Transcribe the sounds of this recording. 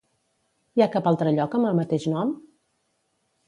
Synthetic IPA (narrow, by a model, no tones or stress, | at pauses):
iakapalˠt̪ɾəʎɔkəməlˠmət̪eʃnɔm